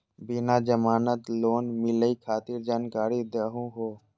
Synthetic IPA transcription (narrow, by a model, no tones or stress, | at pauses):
bɪnaːd͡ʒəmaːnət̪loːnmɪləikʰaːt̪ɪɾd͡ʒaːnkaːɾid̪əɦũɦoː